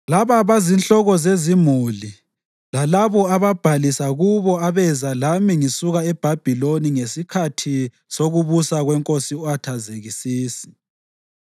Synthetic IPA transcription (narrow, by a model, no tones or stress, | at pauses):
laβaβazinɬɔɣɔzezimuli | lalaβɔaβab̥ʱalisaɣuβɔaβɛzalamiŋisuɣaɛb̥ʱab̥ʱiloniŋesikʰatʰi | soɣuβusaɣwɛŋkʼosiɔatʰazeɣisiːsi̥